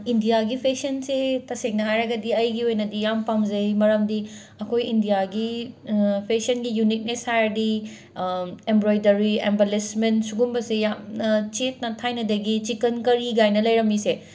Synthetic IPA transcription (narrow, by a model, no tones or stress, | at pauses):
indijaɡipʰesɐnsetɐsek̚nɐɦajɾɐɡɐdiɐjɡiojnɐdijampamzɐjmɐɾɐmdi | ɐkʰojindijaɡi | pʰesɐnɡijunik̚neshajɐdi | embɾojdɐɾiḛmbelesmentsuɡumbɐsejamnɐt͡ʃet̚nɐtʰajnɐdɐɡit͡ʃikɐnkɐɾiɡajnɐlɐjɾɐmise